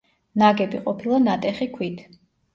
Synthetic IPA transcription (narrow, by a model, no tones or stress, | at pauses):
naɡɛbiqʼɔpʰilˠanat̪ʼɛχikʰwit̪ʰ